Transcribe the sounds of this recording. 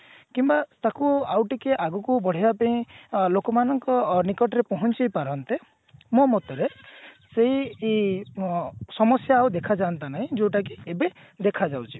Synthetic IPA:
kimbat̪akuawʈikeʔaɡukubɔɽ̤ibapeĩlokɔmanɔŋkɔnikɔʈɔɾepɔɦɔnt͡ʃijpaɾɔnt̪e | momɔt̪ɔɾe | seɦie | sɔmɔsjaːwd̪ekʰad͡ʒant̪anaɦĩd͡ʒuwʈakiebe | d̪ekʰad͡ʒawt͡ʃʰi

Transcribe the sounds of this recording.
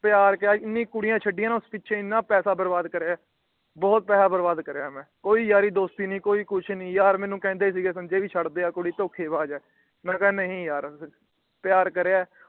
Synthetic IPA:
pjaːɾkəaːɪnːĩːkʊɽɪjãːt͡ʃʰəɖːɪjãːnːʊspɪtːʃʰẽːɪnːãːpɛːsaːbəɾbaːd̪kəɾeaː | bɔːt̪̚pɛːlaːbəɾbaːd̪kəɾejaːmɛ̃ːkoːiːjaːɾiːd̪oːst̪iːnĩːkoːiːkʊt͡ʃʰnĩːjaːɾmɛ̃ːnũːkɛ̃ːnd̪eːs̬iːɡeːsənd͡ʒeːʋiːt͡ʃʰəɽd̪eːaːkʊɽiːt̪oːkʰːeːbaːd͡ʒɛː | mɛ̃ːkɛ̃nəɦĩːjaːɾ | pɪjaːɾkəɾeaː

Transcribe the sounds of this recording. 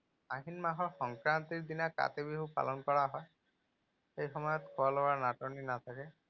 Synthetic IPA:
aɦinmaɦɔɹxɔŋkɹant̪iɹd̪inaka̰t̪ebiɦupa̰lɔnkɔɹaɦɔj | xejxɔmɔjɔt̪kʰoalɔwaɹnatɔninat̪ʰakɛ

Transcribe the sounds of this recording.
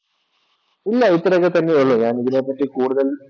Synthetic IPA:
ilːɐit̪ːɐɾɐkːet̪ɐnːeuɭːoɲaːniðineːpːɐʈːikuːɽuðɐl

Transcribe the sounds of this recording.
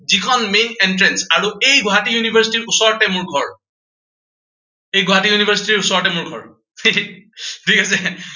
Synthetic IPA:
zikʰɔnmenentɹɛnsaɹuejɡɔɦatijunibʱaɹsi̥tiɹusɔɹtɛmʊɹɡʱɔɹ | ejɡɔɦatijunibʱaɹsi̥tiɹusɔɹɔtɛmʊɹɡʱɔ̰ɹ | tʰikasɛ

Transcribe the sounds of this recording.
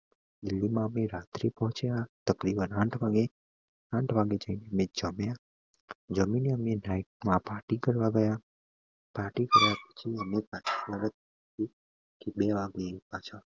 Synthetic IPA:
d̪ɪlːimãəmeɾat̪ɾipɔɦɔ̃t͡ʃʰjat̪əkɾibənãʈʰʋaɡe | ãʈʰʋaɡed͡ʒəineəmẽd͡ʒəmja | d͡ʒəmineəmenaiʈ̚mãpaːʈikəɾʋaɡəja | paʈikəɾjapət͡ʃʰiəmepãt͡ʃʰi̥ʋaɡət̪̚k | t̪i | kebeʋaɡeipãt͡ʃʰa

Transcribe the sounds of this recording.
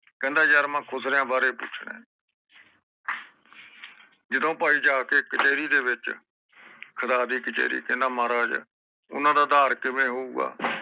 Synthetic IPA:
kɛ̃ːnd̪aːjaːɾmɛ̃ːkʰʊsɾeãːbaːɾeːpʊ̰t͡ʃʰɳḛ̃ː | d͡ʒɪd̪õːpaːiːd͡ʒaːkeːkət͡ʃeːɾiːd̪eːʋɪt͡ʃ | kʰət̪aːd̪iːkət͡ʃḛːɾḭːkɛ̃ːnd̪aːmaːɾaːd͡ʒ | ʊ̰nãːd̪aːd̪aːɾkɪmẽːɦouːɡa̰ː

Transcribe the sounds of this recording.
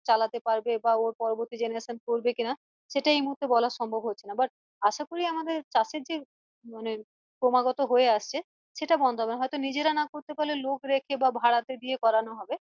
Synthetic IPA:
t͡ɕalat̪epaɾbebaoɾpɔɾoboɾt̪id͡ʑeneaʃʰenkoɾbekina | ʃeʈaejmuɦuɾt̪ʰːebɔlaʃɔmbʱobɦotːɕʰenabaʈ̚ | aʃakoɾiamad̪eɾt͡ɕaʃeɾd͡ʑe | mane | kɾomaɡɔt̪oɦoeaʃt͡ɕʰe | ʃeʈabɔnd̪oɦɔbenaɦɔjt̪onid͡ʑeɾanakoɾt̪epalelokɾekʰebabʱaɽat̪ed̪iekɔɾanoɦɔbe

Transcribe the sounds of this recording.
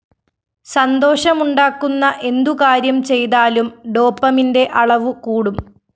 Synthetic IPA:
sɐnd̪oːɕɐmuɳɖaːkːunːɐʔe̞nd̪ukaːɾjɐmt͡ɕe̞jt̪aːlumɖo̞ːpːɐminde̞ʔɐɭɐʋukuːɽum

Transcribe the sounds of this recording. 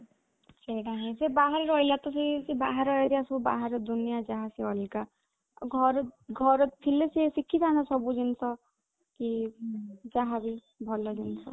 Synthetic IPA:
senaɦĩsebaɦaɾɔɾɔjlat̪ɔsesebaɦaɾɔjɾiasɔbuba̰ɦaɾɔd̪unijad͡ʒaɦaseɔlika | ɡʱɔɾɡʱɔɾɔt̪t̪ʰilesesikʰːit̪ʰanasɔbud͡ʒinsʰɔ | ki | d͡ʒaɦabi | bʱɔlɔd͡ʒinsʰɔ

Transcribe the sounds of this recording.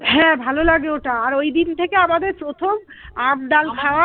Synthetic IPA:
ɦɛ̃bʱalolaɡeoʈaːɾojd̪int̪ʰekeamad̪eɾpɾot̪ʰom | ab̚d̪alkʰaoa

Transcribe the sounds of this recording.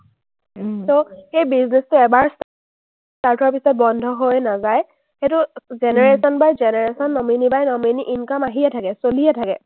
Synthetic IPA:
soxejbiznestʊɛbaɹs | staɹtʰɔɹpisɔt̚bɔndʱɔɦojnazaj | xetʊzeneɹesɔnbajzeneɹesɔnːɔminibajnɔminiʔinkɔmaɦiɛtʰakɛsolijɛtʰakɛ

